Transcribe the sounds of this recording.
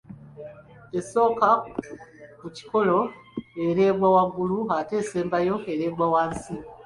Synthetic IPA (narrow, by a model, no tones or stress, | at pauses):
eso̞ːka | muci̥ko̞lo̞eɾe̞ːbwawaɡuluɦate̞ːse̞ːmbajo̞eɾeːbwawansi